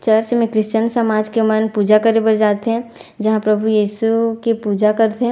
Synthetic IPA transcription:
t͡ʃɐɾt͡ʃmẽkɾɪʃt͡ʃənsɐmaːd͡ʒkemənpuːd͡ʒakəɾebɐɾd͡ʒaːt̪eɦɛ̃d͡ʒɐɦãpɾɐbʱujiːsukepuːd͡ʒakɐɾt̪eɦɛ̃

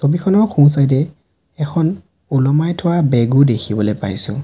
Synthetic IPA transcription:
sobikʰɔnɔɹxʰũw̃s̬ajdɛ | ɛxʰɔn | ulɔmajtʰɔwabɛɡudekʰibɔlojpa̰jsʊ̰̃

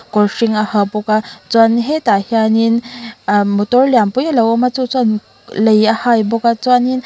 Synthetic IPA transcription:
kɔɾʂiŋahabɔkat͡sanɦet̪ahjanin | mut̪ɔɾljampujaləwəmat͡sut͡san | ləjahajbɔkat͡sanin

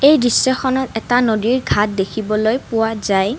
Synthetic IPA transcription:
ejɹisːɔxɔnɔtɛtanodiɹɡʱat̚dekʰibɔlojpʊwazaj

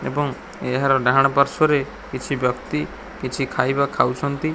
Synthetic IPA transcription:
ḛbɔŋ | eɦaɾɔɖaɽ̃ɔpaɾsɔɾe | kit͡ʃʰibjɔkt̪i | kit͡ʃʰikʰajbakʰawt͡ʃʰɔnt̪i

